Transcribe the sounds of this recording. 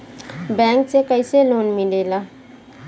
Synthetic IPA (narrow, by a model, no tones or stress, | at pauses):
bɛ̃ŋksekəɪselonmilela